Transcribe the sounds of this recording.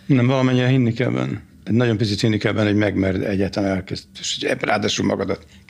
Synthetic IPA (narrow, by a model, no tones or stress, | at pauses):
nɛmvɒlɒmɛɲːiɾɛɦinːikɛ̰bɛ̰n | ɛɟnɒɟo̞mpit̪sit̪hinːikɛbɛnho̞ɟmɛɡmɛrd̪ɛɟːaːt̪laːnɛlkɛzeʃoɛ̰bɾa̰ːd̪aːʃulmɒ̰ɡɒd̪ɒt̪